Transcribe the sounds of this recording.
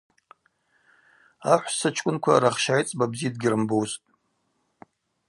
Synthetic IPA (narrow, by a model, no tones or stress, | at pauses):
aħʷsɨt͡ʃʰkʷʼʊnkʷʰaɾaχʃajt͡sʼbabzid̚ɡʲɪrɨmbowztʼ